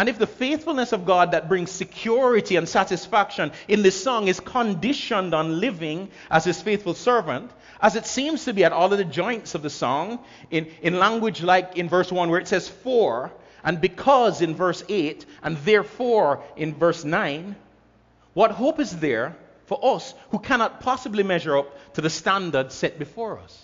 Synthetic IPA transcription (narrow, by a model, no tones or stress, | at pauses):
ɨ̃nɨfðɨfeɪθfl̩ˠnɨsʌvɡɑd̪̚ðɨt̚b̥ɹɪ̃ŋz̥sɨkʰj̥ʊɹɨɾiɨ̃nsæɾɨsfækʃɨ̃nɨ̃nðɪsɔ̃ŋɨz̥kʰə̃ndɪʃə̃ndn̩lɪvɪ̃ŋ | ʔəz̥ɨz̥feɪθfl̩ˠsɜ˞vɨ̃nt | ʔəzɨtsĩmz̥tʰɨbiɨɾɔlˠʌvðɨd͡ʒɔ̃ɪ̃ntsʌvðɨsɔ̃ŋ̃ | nɨ̃nlæ̃ŋɡwɨd͡ʒlaɪkɨ̃nvɜ˞swʌ̃nwə˞ɨtsɛz̥fɔɹ | ʔɨ̃nbɨkʰʌzɨ̃nvɜ˞seɪɾʔɨ̃nðɛɹfɔɹɨ̃nvɜ˞snãɪ̃n | wʌt̚ɦoʊpɨzðə˞ | fə˞ʔʌshukʰænɑt̚pʰɑsəblimɛʒə˞ʌp̚tʰɨðɨstæ̃ndə˞d̥sɛt̚b̥ɨfɔɹʌ̰s